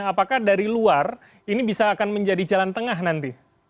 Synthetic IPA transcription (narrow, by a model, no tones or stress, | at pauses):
apakahdaɾiluar | inibisaːkanməɲd͡ʒadid͡ʒalant̪əŋaɦnant̪i